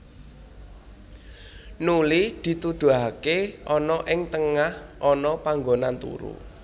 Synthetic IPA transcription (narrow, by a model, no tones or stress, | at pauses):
nulid̪̥i̤t̪ud̪̥ṳakeʔɔnɔʔɪŋt̪əŋahʔɔnɔpaŋɡonant̪ṵɾṵ